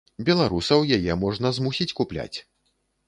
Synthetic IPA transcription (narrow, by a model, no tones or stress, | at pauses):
bʲɛlˠaɾusɐwjajɛmɔʐnɐzmusʲit͡sʲkuplʲa̰t͡sʲ